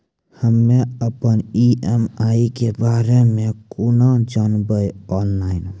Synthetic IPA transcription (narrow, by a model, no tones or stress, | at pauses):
həmːeəpəniemaikebaɾemekunad͡ʒanbəjɔnlaɪn